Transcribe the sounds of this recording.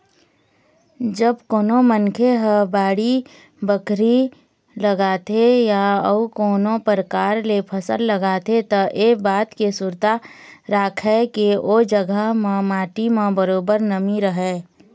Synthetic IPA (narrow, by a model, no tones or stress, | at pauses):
d͡ʒəbkoːnomənkʰeɦəbaːɽi | bəkʰɾi | ləɡaːt̪ejaəukoːnopəɾəkaːɾlepʰəsəlːəɡaːt̪et̪ɐʔeːbaːt̪kesʊɾt̪aɾaːkʰɦɛkiod͡ʒəɡəɦmãmaːʈimãbəɾoːbəɾnəmiɾəɦɛː